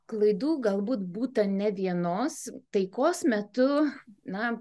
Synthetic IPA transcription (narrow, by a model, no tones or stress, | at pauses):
klˠɐɪd̪uːɡɐlˠbuːt̪buːt̪ɐnʲɛʋʲiɛnoːst̪ɐɪkoːsmʲɛt̪ʊnɐ